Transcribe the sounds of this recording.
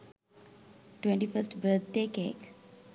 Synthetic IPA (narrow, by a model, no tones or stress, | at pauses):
ʈwẽɳʈifəsʈbət̪̚ʰdeːkḛːk